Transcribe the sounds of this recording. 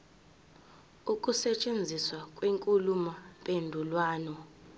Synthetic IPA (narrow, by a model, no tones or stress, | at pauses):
ukʼusɛt͡ʃʼend͡zʱiswakʼwiŋkʼulumapʼendʱulwaːnɔ